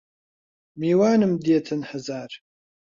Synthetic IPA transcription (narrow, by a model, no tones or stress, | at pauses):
miːwaːnɨmd̪eːt̪ʰɨnhɐzaːɾ